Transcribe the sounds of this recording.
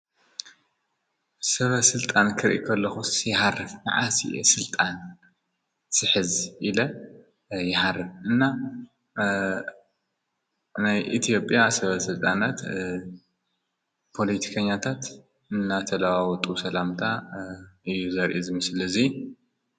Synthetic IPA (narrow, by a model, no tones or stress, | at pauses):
sɐβɐsɨlt̪ʼankʰɨɾʔḭkʰɐlːɐxusjɪharːɨfna̰ʕasḭʔḛsɨlt̪ʼan | sɨħɨzʔilɐ | jɪħarːɨfʔɨnːa | najʔit̪ʰijo̞pʼjasɐβɐsɨlt̪ʼanat̪ | pʰo̞lit̪ʰi̥kʰɐɲːat̪ʰat̪ | ɨnːat̪ʰɐlawawɔt̪ʼusɐlamt̪ʰa | ɨjːuzɐɾʔizɨmɨsɨlɐzi